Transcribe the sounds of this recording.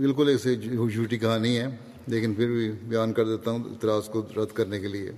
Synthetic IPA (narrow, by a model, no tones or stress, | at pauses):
bɪlkʊleːksed͡ʒʱuːʈikɐɦãnɐɦĩɦɛː | leːkɪnpʰɪɾbʱibjaːnkɐɾd̪eːt̪aɦũɪ̰t̪ɪɾaːzkoɾɐd̪ʱkɐɾnekeliḛ